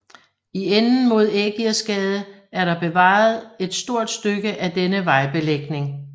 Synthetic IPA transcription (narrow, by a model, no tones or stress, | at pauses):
ienn̩mo̝ð̞̰ˠeɡ̥iæsɡ̥ɛːð̞ˠə | æɐɾɑ̈b̥e̝ʋɑ̰̈ð̞̩ˠe̝d̥sd̥o̝ɐ̰d̥sd̥øɡ̥əʔæd̥enəʋɑ̈ɪb̥e̝leɡ̥ne̝ŋ